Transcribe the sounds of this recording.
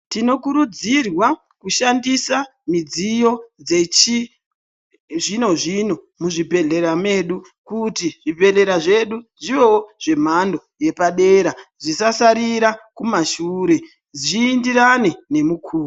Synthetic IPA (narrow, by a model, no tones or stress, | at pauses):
tino̞kuɾud͡zirwa | kuʃandisa | mid͡zijo̞d͡ze̞t͡ʃi | ʐino̞ʐino̞ | muʐibʱe̞ɮe̞ɾame̞ɗu | kutiʐipe̞ɮe̞ɾaʐe̞ɗuʐiʋewoʐ̥e̞m̤ando̞je̞paɗeːɾaʐisasaɾiɾakumaʃuːɾe̞ | ʐiːndirane̞ne̞mukʰuːo